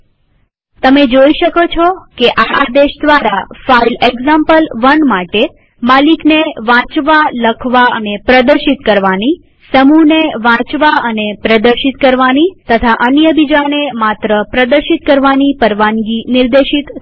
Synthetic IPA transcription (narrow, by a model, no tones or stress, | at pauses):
t̪əmed͡ʒoiʃəkot͡ʃʰɔkeʔaad̪eʃd̪ʋaɾafaileɡzãmpəlʋənmaʈe | malikneʋãt͡ʃʋaləkʰʋaənepɾəd̪əɾʃit̪kəɾʋani | səmuneʋãt͡ʃʋaənepɾəd̪əɾʃit̪kəɾʋanit̪ət̪ʰaʔənjəbid͡ʒanemat̪ɾəpɾəd̪əɾʃit̪̚kəɾʋanipəɾʋanɡinɪɾd̪eʃit̪